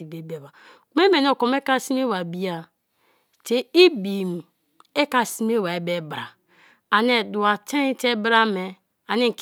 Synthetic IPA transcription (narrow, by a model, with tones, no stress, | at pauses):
i˨be˨be˨ba˨ | ku˨˦me˦me˨n˦o˨ko˨m˦e˦ka˦˨si˦m˦e˦wa˨bi˨˦a˨ | te˨i˦bi˨m˨ | e˦ka˨si˦me˦˨wa˨e˨be˦bɾa˨ | a˨n˦e˨du˨a˨te˦ni˦te˦bɾa˦me˨ | a˨ni˦˨k